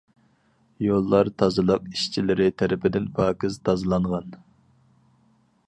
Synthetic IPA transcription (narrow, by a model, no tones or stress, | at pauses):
jolˠːɑɾt̪ʰɑzɨlˠəq̚iʃt͡ʃʰilɪɾɪt̪ʰæɾɪpɪd̪ɪnpʰɑːkʲɪzt̪ʰɑzɨlˠɑɴʁɑn